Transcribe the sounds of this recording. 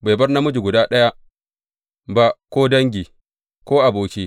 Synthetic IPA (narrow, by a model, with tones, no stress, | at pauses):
be˨bɐ˦rna˦mʊ˦d͡ʒu˨ɡʷʊ˨daː˦ɗɐ˦ja˦ | ba˦kʷoː˦dɐ˦ŋɡʲi˨ | kʷoː˦ʔa˨boː˨kʲe˦